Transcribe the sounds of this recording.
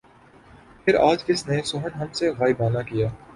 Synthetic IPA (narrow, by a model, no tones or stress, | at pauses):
pʰɪɾaːd͡ʒkɪsnesʊɦənɦɐmseɣaːɪbaːnakijaː